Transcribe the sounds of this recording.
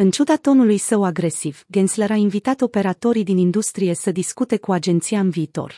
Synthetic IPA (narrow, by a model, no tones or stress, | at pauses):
ɨnt͡ʃud̪at̪o̞nulujsəwaɡɾe̞sivɡensleɾainvit̪at̪o̞pe̞ɾat̪o̞ɾid̪inind̪ust̪ɾije̞səd̪iskut̪e̞kuad͡ʒe̞nt̪siaɨnviːt̪o̞̰r